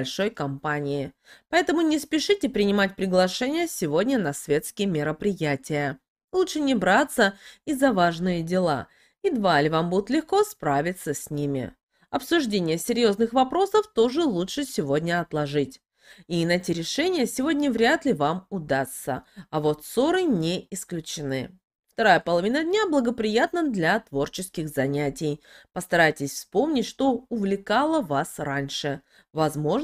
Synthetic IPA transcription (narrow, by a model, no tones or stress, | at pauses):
lʲʂo̞jkɐmpanʲɪjɪpɐɛt̪əmʊnʲɪspʲɪʂɨtʲɪpɾʲɪnʲɪmat̚ʲpɾʲɪɡlˠɐʂɛnʲɪjəsʲɪvo̞dʲnʲənɐsvʲe̞t̪skʲɪjəmʲɪɾəpɾʲɪjætʲɪjə | lˠutʂɨnʲɪbɾat̪səɪzːɐvaʐnɨjədʲɪlˠa̰ | id̪valʲɪvambud̪ʊt̪lʲɪxko̞spɾavʲɪt̪səsʲnʲimʲɪ̰ | ɐpsʊʐdʲenʲɪjəsʲɪɾʲjo̞znɨxvɐpɾo̞səft̪o̞ʐɨlˠutʂɨsʲɪvo̞dʲnʲəɐt̪lˠɐʐɨtʲ | inɐetʲɪɾʲɪʂɛnʲɪjəsʲɪvo̞dʲnʲəvɾʲat̪lʲɪvamʊd̪ast̪ːə̰ɐvo̞t̪so̞ɾɨnʲeɪsklʲʉt͡ɕɪnɨ | ft̪ɐɾajəpəlˠɐvʲinədʲnʲablˠəɡəpɾʲɪjat̪nəd̪lʲɐt̪vo̞rt͡ɕɪskʲɪxzɐnʲætʲɪjpəst̪ɐɾajtʲɪsʲfspo̞mnʲɪtʲʂt̪o̞ʊvlʲɪkalˠəvasɾanʲʂɨ | vɐzmo̞ʐ